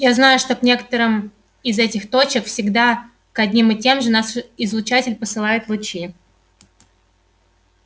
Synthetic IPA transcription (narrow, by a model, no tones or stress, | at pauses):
jaznajʊʂt̪o̞knʲe̞kə̥t̪əɾɨm | ɪzɛtʲɪxt̪o̞t͡ɕɪkfsʲɪɡd̪a | kɐdʲnʲimɪtʲe̞mʐɨnasɪzlˠʊt͡ɕatʲɪlʲpəsɨlˠajɪt̪lˠʊt͡ɕi